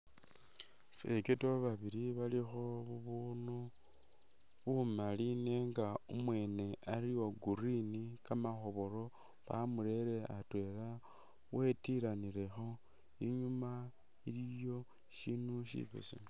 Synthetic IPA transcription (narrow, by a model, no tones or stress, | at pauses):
fḛketoβaβiɾiβalixo̞βuβunu | βumaline̞ŋɡaumwe̞ːne̞aɾiwo̞ɡuɾinikamaxo̞βo̞ɾo̞ | βamuɾe̞ɾe̞atwe̞ɾa | we̞tiɾaniɾe̞xo̞ | iɲuma | ilijo̞ | ʃinuʃḭβḛsḭ